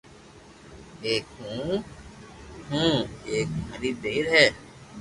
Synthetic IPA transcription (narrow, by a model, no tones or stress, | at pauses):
eːkɦũː | ɦũːeːk̚məɾiːd̪eːɾɦɛː